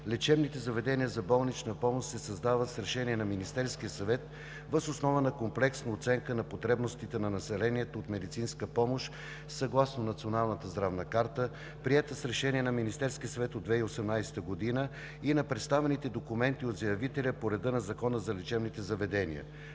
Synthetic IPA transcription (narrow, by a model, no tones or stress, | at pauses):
lɛt͡ʃɛbnit̪ɛzɐvɛd̪ɛniəzɐbɔlˠnit͡ʃnəpɔmoʃt̪sɛsɐzd̪avət̪sɾɛʃɛniɛnɐminist̪ɛɾskijəsɐvɛt̪ | vəzosnɔvənɐkomplɛksnəot̪sɛŋkənɐpot̪ɾɛbnost̪it̪ɛnɐnɐsɛlɛniɛt̪oːt̪mɛd̪it̪sinskəpɔmoʃ | sɐɡlˠasnonɐt̪sionalˠnət̪əzd̪ɾavnəkaɾt̪ə | pɾiɛt̪əsɾɛʃɛniɛnɐminist̪ɛɾskiəsɐvɛt̪od̪d̪vɛiosɛmnajsɛ̥t̪əɡod̪inə | inɐpɾɛt̪st̪avɛnit̪ɛd̪okumɛnt̪iod̪zɐjɐvit̪ɛlʲəpoɾɛd̪ɤnɐzɐkɔnəzɐlɛt͡ʃɛbnit̪ɛzɐvɛd̪ɛnḭə̰